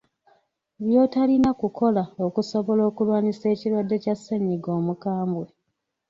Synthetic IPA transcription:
βjo̞ːtalinakuko̞lao̞kuso̞βo̞lo̞ːkulwaːɲise̞ːciɾwadːe̞casːeɲiɡo̞ːmukaːmbwe̞

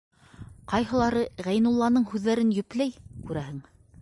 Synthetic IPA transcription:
qɑjɦɤ̆lˠɑɾɤʁæjnulˠːɑnɤɴhʉðːæɾɘnjɵ̆plæjkʉɾæɦɘŋ

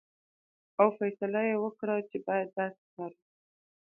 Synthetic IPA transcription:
awfajsalajewəkɽat͡ʃebɑjad̪ːɑsɪ̥kɑɾi

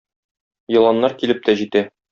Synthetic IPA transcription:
jɤ̆lˠɑnːɑɾkilɘp̚t̪æʑit̪æ

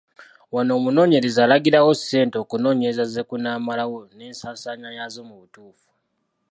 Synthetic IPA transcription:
wano̞ːmuno̞ːɲe̞ɾe̞zaːlaɡiɾawo̞se̞ːnteo̞kuno̞ːɲeɾezaze̞kunaːmalawo̞ne̞ːnsaːsaːɲajazo̞muβutuːfu̥

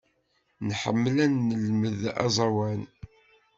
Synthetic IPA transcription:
nħə̰mːlænːəlməðɑ̰zˤɑwæn

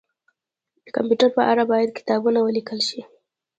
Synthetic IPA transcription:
d̪̥əkampjuʈaɾpəʔaɾabɑjad̪̚kɪ̥t̪ɑbunawəlikəlʃi

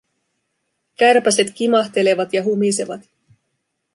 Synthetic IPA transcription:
kærpæse̞t̪kimɑxt̪e̞le̞ʋɑt̪jɑɦumise̞ʋɑ̰t̪

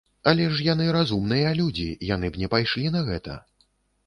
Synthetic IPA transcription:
ɐlʲɛʂjanɨɾazumnɨjɐlʲud͡zʲḭjanɨbnʲɛpajʂlʲin̪ɐɣɛt̪ɐ̰

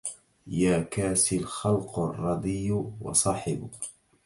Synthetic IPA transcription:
jaːkaːsɪlxɑlqrˤːɑd̪ˤɨjːwɑ̰sˤɑːħɪbʊ

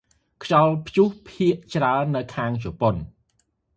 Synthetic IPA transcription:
kʰt͡ɕɑlpʰt͡ɕuhpʰiəʔt͡ɕraənːɨwkʰaːŋt͡ɕopon

